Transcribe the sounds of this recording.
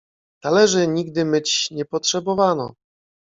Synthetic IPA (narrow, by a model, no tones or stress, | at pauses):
t̪alɛʐɘɲiɡ̚d̪ɘmɘt͡ɕɲɛpɔtʂɛbɔvanɔ̰